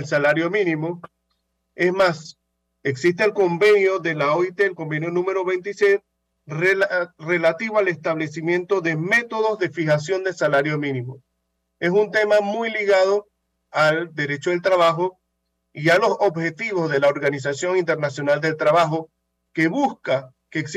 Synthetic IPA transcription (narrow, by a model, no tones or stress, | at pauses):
elsalaɾjo̞mĩnĩmo | e̞smas | eksist̪eːlko̞mbe̞njoðe̞laoit̪eːlkombenjo̞nũme̞ɾo̞βe̞jnt̪iset̪ | rere̞lat̪iβoale̞st̪aβle̞simjẽ̞nt̪o̞ðe̞me̞t̪o̞ðo̞zðe̞fixasjo̞nd̪elsalaɾjo̞mĩnimo̞ | e̞sunt̪e̞mamujliɣað̞o̞ | ald̪e̞ɾe̞t͡ʃoðelt̪ɾaβaxo̞ | ialo̞so̞bxe̞t̪iβo̞zðe̞laoɾɣanis̬asjo̞ŋint̪e̞ɾnasjo̞nald̪e̞lt̪ɾaβaxo̞ | ke̞βuska | keːks